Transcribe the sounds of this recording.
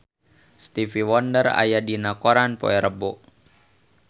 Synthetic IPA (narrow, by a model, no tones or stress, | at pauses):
st̪ifiwɔndəra̰jadinakoɾanpɔ̰ɛɾəbɔʔ